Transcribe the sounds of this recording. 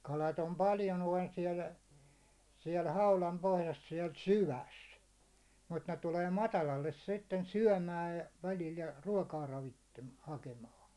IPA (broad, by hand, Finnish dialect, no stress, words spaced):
kɑlɑt om pɑljo noin siɛl siɛl hɑulɑm pohjɑs siɛl syʋæs mut ne tuleː mɑtɑlɑlːes sitːen syæ̹mæːj jɑ̥ ʋælil jɑ ruɒkɑː rɑʋitːem hɑkemɑːn̞